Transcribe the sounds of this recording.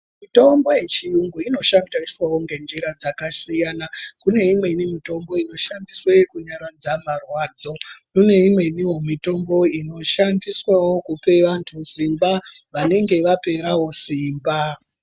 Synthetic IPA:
mito̞mbo̞je̞t͡ʃijuŋɡuino̞ʃandaiswawoŋɡe̞nd͡ʒiɾad͡zakasijanakune̞imwe̞nimito̞mbo̞ino̞ʃandiswaekuɲaɾad͡zamarwaːd͡zo̞nune̞imwe̞niɦomito̞mbo̞ino̞ʃandiswawo̞kupe̞ʋantʰusimba | ʋane̞ŋɡe̞ʋape̞ɾawo̞siːmba

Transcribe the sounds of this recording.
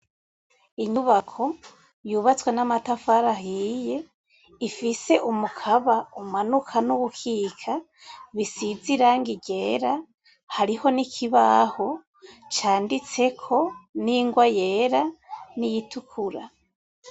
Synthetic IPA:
iɲuβakʰo̞ | juβat͡swenamatafaɾaɦije̞ | ifise̞ʔumukʰaβaumanukʰanuβukʰiːkʰa | βisiziɾaːŋɡiɟe̞ːɾa | haɾiho̞nikʰiβaho̞ | t͡ʃaːndit͡se̞kʰo̞niːŋɡwajeːɾanijitʰukʰuɾa

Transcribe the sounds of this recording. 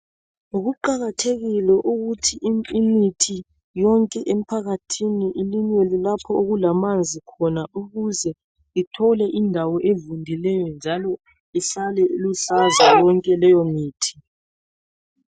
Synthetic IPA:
uɣuǃaɣatʰeɣilɛʔuɣutʰiʔiimitʰi | jɔŋkʼɛʔem̩pʰaɣatʰiniʔiliɲwelilapʰɔoɣulamand͡zʱikʰɔnauɣuzɛ | itʰɔlɛʔindʱawɔʔevundʱilɛjɔnd͡ʒʱalɔ | isalɛulusazajɔŋkʼɛlɛjɔmiːtʰi̥

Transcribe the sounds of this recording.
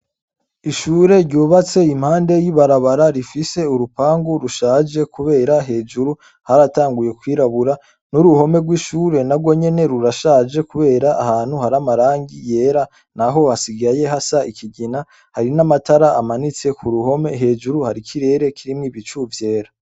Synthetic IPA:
iʃuːɾe̞ɾɟuːβat͡se̞im̥haːnde̞jiβaɾaβaɾaɾifise̞uɾupaːŋɡuɾuʃaːd͡ʒe̞kuβe̞ːɾaɦe̞ːd͡ʒuɾu | haɾataːŋɡuje̞kwiːɾaβuɾa | nuɾuho̞me̞ɡwiːʃuːɾe̞nabɡwo̞ɲe̞ne̞ɾuɾaʃaːd͡ʒe̞kuβe̞ːɾaʔːhaːn̥huhaɾamaɾaːŋɡije̞ːɾa | naɦo̞hasiɡaje̞ɦasaikʰiɟina | haɾinamataɾaʔamanit͡se̞kʰuɾuho̞me̞ɦe̞ːd͡ʒuɾuhaɾikʰiɾe̞ːɾe̞kʰiɾimŋiːβit͡ʃuvje̞ːɾa

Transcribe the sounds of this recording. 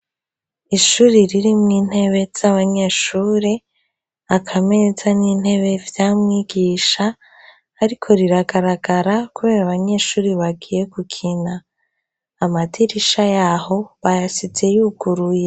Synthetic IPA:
iʃuːɾiɾiɾimŋiːn̥e̞βe̞z̥aβaɲe̞ʃuːɾe | akʰamenezaniːn̥he̞βe̞vjaːmŋiɡiːʃa | hːɾikʰo̞ɾiɾaɡaɾaɡaɾakuβe̞ːɾaβaɲe̞ːʃuːɾiβaɡiːje̞kukʰinaː | matiɾiʃajaho̞βajasit͡se̞juɡuɾuje

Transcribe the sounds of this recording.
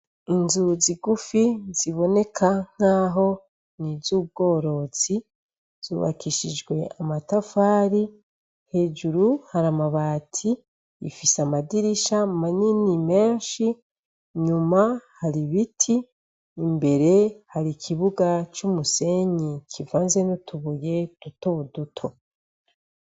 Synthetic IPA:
inzuziɡufiz̥iβo̞ne̞kʰaŋ̥haːɦo̞ | nizuːb̚ɡo̞ːɾo̞zi | z̥ṵβa̰kiʃid͡ʒɡwe̞a̰matafaːɾi | he̞d͡ʒuɾuhaɾamaβaːtʰḭː | fisamadiɾiʃamaninime̞ːnʃi | ɲumahaɾiβitʰiː | mbe̞ɾe̞haɾikʰiβuɡat͡ʃumuse̞ɲikʰivaːnze̞nutʰuβuje̞d̥uto̞dutʰo̞

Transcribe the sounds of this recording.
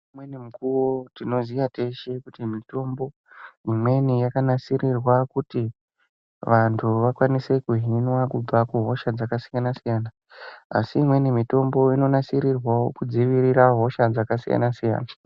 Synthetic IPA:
imwenimukuwotino̞zijate̞ʃe̞kutimito̞mbo̞ | imwe̞nijakanasiɾirwakuti | ʋantʰuʋakwanise̞kuɦinwakub͡vakuɦo̞ʃad͡zakasijanasijaːna̰ː | siːmwe̞nimito̞mbo̞ino̞nasiɾirwaokud͡ziʋiɾiɾaɦo̞ʃad͡zakasija̰nasija̰ːna

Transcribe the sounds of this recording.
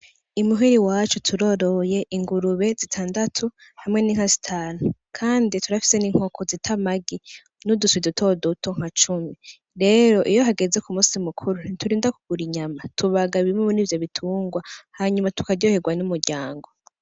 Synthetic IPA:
imuɦiɾiwaːt͡ʃutʰuɾo̞ɾo̞je̞ʔiŋɡuɾuβe̞zitʰaːndatʰuhamŋe̞niːŋ̥azitʰaːnukʰaːndituɾafi̥se̞niŋ̥o̞kʰozitʰamaɡi | nuduswidutʰo̞dotoŋ̥hat͡ʃumi | ɾe̞ːɾo̞ʔijo̞ɦaɡe̞ze̞kumuːsimukʰuɾunituɾiːndakuɡ̥uɾiɲamatuβaɡaβimumuniːvjo̞βitʰuːŋɡwahaɲumatu̥kaɟo̞heɡwanumuɾɟaːŋɡo̞

